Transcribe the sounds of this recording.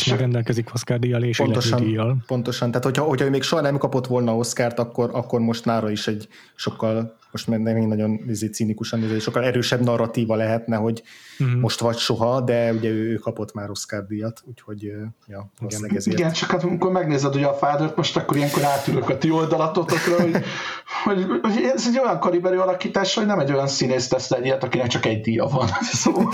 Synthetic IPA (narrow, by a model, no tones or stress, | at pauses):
ʃmɡɾɛnd̪ɛlkɛzikoskaːrd̪ijɒleːʃpont̪oʃɒnijɒlpo̞nt̪oʃɒnt̪aːt̪ho̞cʰɒho̞cʰhɒøːmeːkʃoɦɒnɛmkɒpo̞t̪ʋolnɒːo̞skaːrt̪ɒkːo̞ɾɒkːo̞rmo̞ʃt̪naːɾɒiʃɛɟ | ʃo̞kːɒl | mo̞ʃt̪mɛnɛknɒɟo̞nezeːt̪siːnikuʃɒnːeːzɛɛʃokːɒlɛɾøːʃɛbnɒrːɒt̪iːvɒlɛɦɛt̪nɛɦo̞ɟmo̞ʃt̪ʋɒcʃo̞ɦɒd̪ɛuɟɛøːøːkɒpo̞t̪maːɾo̞skaːb̚d̪ijɒt̪uːcho̞ɟjɒɛɛziɡɛnt͡ʃɒkːɒt̪ɒmikoɾmɛɡneːzɛd̪uɟɛɒfaːd̪øːrt̪mo̞ʃt̪ɒkːo̞ɾijɛŋkoɾaːt̪ːyɾøkɒt̪io̞ld̪ɒlɒt̪o̞t̪o̞krɒɦoɟ | ho̞ɟoɟɛzɛɟo̞jɒŋkɒɾibɛɾyɒlɒkiːt̪aːʃhoɟnɛmɛɟo̞jɒnsineːst̪ɛslɛdijɛt̪ɒkinɛk̚t͡ʃɒkɛɟd̪ijɒ̰vɒnsoː